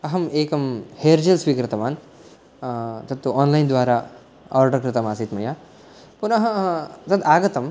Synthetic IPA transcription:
ɐɦɐmeːkɐmheːɾd͡ʒelsʋiːkɾɪt̪ɐʋaːn | t̪ɐt̪ːuaːnlɐjnd̪ʋaːɾaː | aːɾɖɐɾkɾɪt̪ɐmaːsit̪mɐjaː | punɐɦɐ̃t̪ɐd̪aːɡɐt̪ɐm

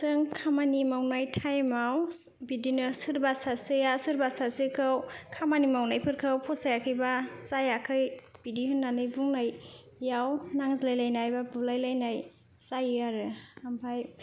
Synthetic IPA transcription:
sɯŋkʰamanimawnajtʰajmaw | bidinɯsɯɾbasasejasɯɾbasasikʰɯwkʰamanimawnajpʰɯɾkʰɯwpʰɔsajakʰɯjbasajakʰɯjbidihɯnːanɯjbuŋnajː | awnaŋzlajlajnajbabulajlajnaj | sajɯaɾɯampʰaj

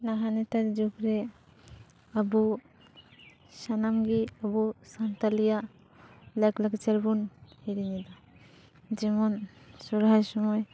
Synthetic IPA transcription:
naɦanet̪aɾd͡ʒukɾɛ | abu | sanamɡiəbusant̪alija | lakləɡt͡ʃaɾbunhiɾinid̪a | d͡ʒɛmɔnsuɾɦajsɔmɔj

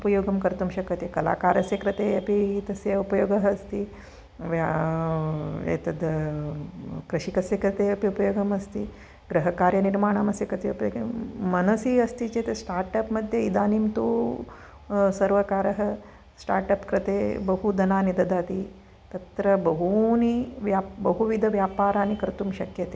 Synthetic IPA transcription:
upɐjoːɡɐmkɐɾt̪umɕɐkɐt̪ekɐla̰ːkaːɾɐsekɾɪt̪eɐpiɦit̪ɐseupɐjoːɡɐɦːst̪iː | ʋa | ḛt̪ɐd̪ | kɾɐʃikɐsekɾɨt̪eɐpiupɐjoːɡɐmɐst̪iː | ɡɾɐɦɐkaːɾjɐniɾmaːɳ̃ɐmɐsekɐt̪eupɡmɐnɐsiɐst̪it͡ʃeːt̪esʈaːɾʈɐpmɐd̪ʱjɐid̪aːnimt̪oː | sɐɾʋɐkaːɾɐɦɐ | sʈa̰ːɾʈɐpkɾɪt̪eːbɐɦud̪ɐnaːnid̪ɐd̪aːt̪i | t̪ɐt̪ɾɐbɐɦuniʋjaːbɐɦuʋid̪ʱɐʋjaːpaːɾaːnikɐɾt̪umʃɐkjɐt̪e

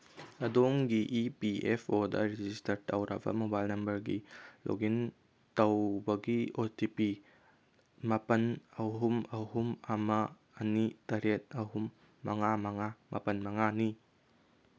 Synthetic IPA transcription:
ɐdomɡiʔipiepʰodɐ̰ɾed͡ʒistɐɾtʰɐwɾʔa̰bɐ̰mobajlnɐmbɐɾɡilʔo̰ɡin | tɐwbɐɡiotipi | mɐpɐnɐɦumɐɦumɐmɐː | nitɐɾet̚ɐɦumː | ɐŋamɐŋamʔɐ̰pɐnmɐŋani

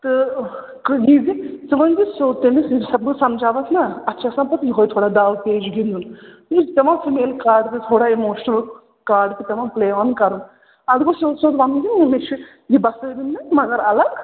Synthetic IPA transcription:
t̪ɨ | kɨjizit̪ɨʋɐ̃nd͡ʒ̪isoːt̪enisiɾsɐbɨsɐmd͡ʒaːʋɐt̪ʰnaɐtːʃʰaːsãːpɐt̪jiɦoːjt̪ʰoːɽaːd̪aːʋpeːd͡ʒɡind̪un | t̪ɐʋãːfimeːlkaːɾɖt̪it̪ʰoːɽaːemoːʃnɐl | kaːɾɖt̪it̪ɐʋãːpleːaːnkɐɾun | ɐd̪koːsoːt̪soːt̪ʋɐnɡ̪inːemet͡ʃʰi | jibɐsəd̪inːɐmɐɡɐɾɐlɐɡ

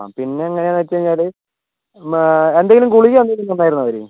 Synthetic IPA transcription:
a̰pinːe̞ɐŋːɐneaːnʋɐt͡ɕːɐɾiɲːaːl | end̪eŋɡilumkuɭijɐnd̪eŋɡilumt̪ɐnːaːjiɾunːɐʋɐɾi

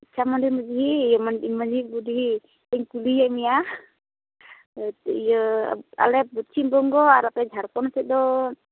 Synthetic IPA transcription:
t͡ʃamandiməd͡ʒiɦijəmanimad͡ʒibudiɦi | ɛŋkulijamia | t̪ijə̰a̰lɛbut͡ʃimbɔŋɡɔaɾapɛd͡ʒʱaɾkɔnsɛdɔ

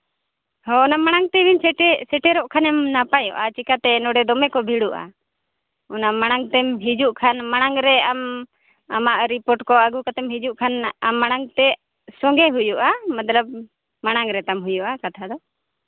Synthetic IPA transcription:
hɔɔnamaɽ̃aŋt̪ɛbinsɛʈɛsɛʈɛɾɔʔkʰanɛmnapajɔ̰ʔat͡ʃikat̪ɛnɔɖɛd̪ɔmɛkɔbʱiɽuʔa̰ | ɔnamaɽ̃aŋt̪ɛmɦid͡ʒuʔkʰanmaɽ̃aŋɾɛam | amaʔɾipɔɾʈkɔaɡukat̪ɛmɦid͡ʒuʔkʰanamːaɽ̃aŋt̪ɛ | sɔŋɡɛɦujuʔamat̪ləb̚ | maɽ̃aŋɾɛt̪amɦujuʔakat̪ʰad̪ɔ

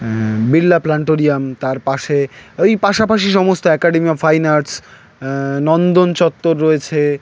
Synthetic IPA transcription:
bilːaplaɳʈoɾiamt̪aɾpaʃeojpaʃapaʃiʃɔmost̪oɛkaɖemiɔfajnaɾs | nɔnd̪ont͡ɕɔt̪ːoɾːoet͡ɕʰe

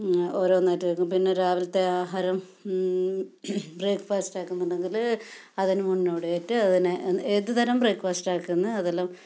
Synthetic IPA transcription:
oːɾo̞ːnːeːtːɐðɐkːumpinːe̞ɾaːʋɐlt̪ːeaːɦaːɾɐm | breːkfaːsʈaːkːunːɐɳɖeŋɡil | ɐðinɨmuɳːoːɽɨeːtːɨɐðineeðɨt̪ʰɐɾɐmbreːkːfaːsʈaːkːunːɐɐðelːam

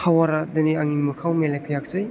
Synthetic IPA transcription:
awaɾadɐniaŋiŋmɐkʰawmelejkʰəjak̚zɯj

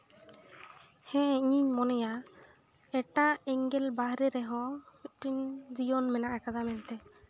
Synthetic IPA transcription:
hɛ̃iɲiɲmɔnɛja | ɛʈaɛŋɡɛlbaɦɾɛɾɛɦɔ̃iʈiɲd͡ʒijɔnmɛnaʔakad̪amɛnt̪ɛ

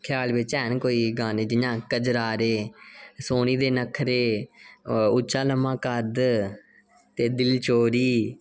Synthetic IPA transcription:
kʰjaːlʋɪt͡ʃɛːnkoːiːɡaːneːd͡ʒɪjãːkəd͡ʒɾaːɾeːsoːniːd̪eːnəkʰɾeː | ʊt͡ʃːaːləmãːkəd̪ | t̪eːd̪ɪlt͡ʃoːɾiː

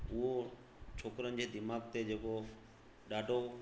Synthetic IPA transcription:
ʊɦo | t͡ʃʰoːkɾənɪ̆d͡ʑeːd̪ɪmaːɡt̪ed͡ʑeːko | ɗaːɖʱo

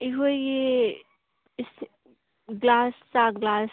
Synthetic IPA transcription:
iɦoje | ɪs | ɡlaːssaɡlaːs

